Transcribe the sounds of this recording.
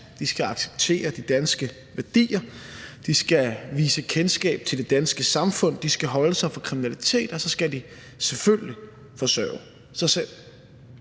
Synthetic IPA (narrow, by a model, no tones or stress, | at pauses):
d̥isɡ̥æɑ̈ɡ̥se̥b̥t͡sʰe̝̰ːɐd̥id̥ænsɡ̥ə | ʋæɐd̥ḭːɐd̥isɡ̥æʋiːsəkʰensɡ̥ɛ̰ːb̥̚t͡sʰe̝ld̥e̝d̥ænsɡ̥əsɑ̈mfɔ̽n̰d̥isɡ̥æɦɒ̽ləsɑ̈ɪfɒ̽kʰʁiminælit͡sʰe̝̰ːd̥ɒsɒ̽sɡ̥æd̥i | selfølli | fɒ̽sœ̰ːʊ | sɑ̈ɪsel̰